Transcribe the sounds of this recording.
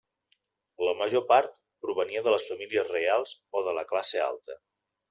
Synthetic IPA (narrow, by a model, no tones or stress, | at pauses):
ləməʒopaɾt̪ | pɾuβəniəðələsfəmiliəzrealˠzoðələklasea̰lˠt̪ə